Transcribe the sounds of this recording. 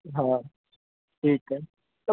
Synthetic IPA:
ɦãː | ʈʰiːkɛ | t̪ɐ

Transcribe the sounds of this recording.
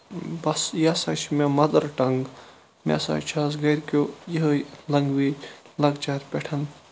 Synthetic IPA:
bɐsjasɐːt͡ʃʰmʲemɐd̪ɐɾʈɐŋɡ | mʲḛsa̰t͡ʃʰaːsɡɐɾʲkoːjiɦəjlɐŋɡʋiː | lɐɡt͡ʃaːɾʲpʲeʈʰɐn

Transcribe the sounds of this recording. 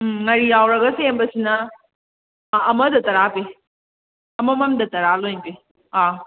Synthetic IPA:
ŋɐɾijawɾɐɡɐsembɐsinɐ | mɐdɐtɐɾabe | ɐmɐmɐmdɐtɐɾalojnbe | a

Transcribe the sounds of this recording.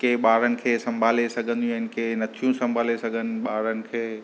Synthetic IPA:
keːɓaːɾənɪ̆kʰeːsɐ̃mbʱaːlesɐɡʱə̃nd̪ijũɦɪnɪ̆keːnɐt̪ʰijũsɐ̃mbʱaːlesɐɡʱənɪ̆ɓaːɾənɪ̆kʰeː

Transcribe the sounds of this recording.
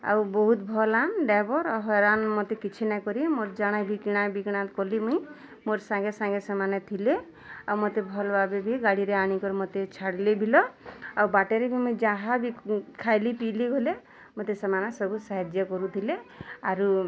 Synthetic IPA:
a̰wbɔɦut̪bʱɔlanɖabɔɾɔɦɔɾanmot̪ekit͡ʃʰinajkɔɾimoɾd͡ʒaɽ̃abʱikiɽ̃abikiɽ̃at̪kɔlimɔĩ | moɾsãŋɡesãŋɡesɔmanet̪ʰile | awmot̪ebʱɔlbabebʱiɡaɽiɾeaɽ̃ikɔɾemot̪et͡ʃʰaɽlebʱilɔawbaʈeɾebʱimuĩd͡ʒãɦabʱikʰajlipiliɡʱole | mot̪esɔmanasɔbʱusaɦed͡ʒjɔkɔɾut̪ʰileaɾu

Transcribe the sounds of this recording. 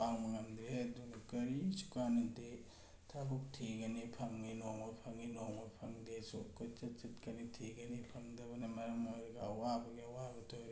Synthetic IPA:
paŋmɐŋamd̪ɾedunkɐɾisu̥kanɐnte | tʰabuk̚tʰiɡɐnipʰɐŋːinoŋɔpʰɐŋinoŋopʰɐŋdesṵkot͡ʃɐtt͡ʃitkɐnitʰiɡɐnipʰɐŋdɐbɐnɐmɐɾɐmojɾɡɐɐwabɐɡeɐwabɐtʰoɾe

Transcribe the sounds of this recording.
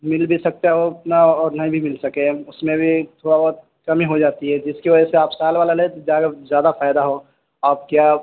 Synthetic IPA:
mɪlbʱisɐk̚t̪aɦotnaɔːɾnɐɦĩbʱimɪlsɐkẽʊsmẽbʱit̪ʰoːɽabɔːt̪̚ | kɐmiɦod͡ʒaːt̪iɦɛd͡ʒɪskiʋɐd͡ʒɛseaːpsaːlʋaːlalet̪d͡ʒaɡezjaːd̪afaːɪd̪aɦo | aːp̚kjaː

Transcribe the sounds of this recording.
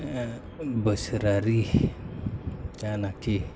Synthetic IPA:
bəsɾaɾih | t͡ʃanaki

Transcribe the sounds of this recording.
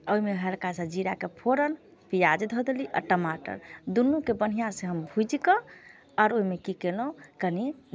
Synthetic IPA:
oimeɦɛlkasəd͡ʒiɾakepʰoɾən | pijad͡ʒd̪ʱɔd̪eliʔɔ̰ɾʈəmaʈə̰ɾd̪unːukebən̤ijãsẽɦəmbʱud͡ʒikə | ɔɾoɦimekikelũkəni

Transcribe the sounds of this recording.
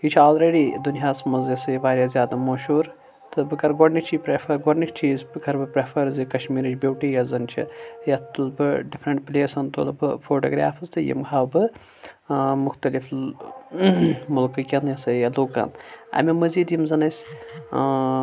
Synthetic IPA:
hit͡ʃʰaːlɾeːɽiːd̪unjaːsmɐzjɐsɐʋaːɾʲjaːzʲjaːd̪ɐmɐːʃuːɾ | t̪ʰɨbɨkɐɾɡoɖnit͡ʃʰipɾefʰɐɾɡɔɖnikt͡ʃʰiːzbɨkʰɐɾbɨpɾɐfʰɐɾzɨkɐʃmiːɾɨt͡ʃʰʲbʲewʈiːjɐzɐnt͡ʃʰḭjɐt̪t̪ulbɨɖifʰɾɐɳʈplʲeːsɐnt̪ulbɨ̰foːʈo̰ːɡɾa̰ːfʰɨzt̪ɨjḭmkʰaːwbɨ | mʊxt̪ɐlif | mulkɨkʲɐnjɐsɐjɐluːka̰nɐ̰mʲimɐziːd̪jimzɐnɐsʲ

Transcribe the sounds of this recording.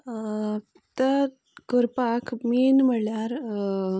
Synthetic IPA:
t̪ə | kəɾpakʰminm̤əljaɾ

